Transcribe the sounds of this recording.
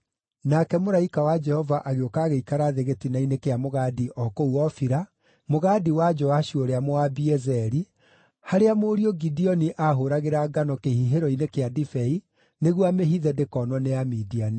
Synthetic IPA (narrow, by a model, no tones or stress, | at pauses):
nakɛmoɾaikawad͡ʒɛhɔvaʔaɣeokaːɣeikaɾaðeɣetinainekeamoɣadiʔɔːkouɔfiɾa | moɣadiwad͡ʒɔaɕioɾeamoabiɛzɛɾi | haɾeamoːɾiɔɡidiɔniʔaɦoɾaɣeɾaɡanɔkehiɦeɾɔinekeadifɛi | neɣwameɦiðɛdekɔːnwɔneamidiani